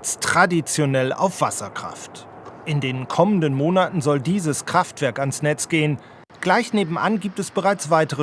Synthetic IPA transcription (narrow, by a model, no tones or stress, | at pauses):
t͡stʁ̥adit͡sjonɛla̰ʊfv̥asɐkʁ̥a̰ft | ʔɪndeːnkʰɔməndənmoːnatn̩zɔldiːzəskʁ̥aftv̥ɛɐkansnɛt͡sɡ̥eːən | ɡ̥laɪçneːbm̩ʔa̰nɡiːp̚tɛsb̥əʁaɪt͡sv̥aɪtəʁə